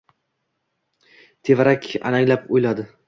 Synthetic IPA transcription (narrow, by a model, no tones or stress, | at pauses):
t̪ʰe̞vaɾakʲa̰naŋʲlapojlad̪ɪ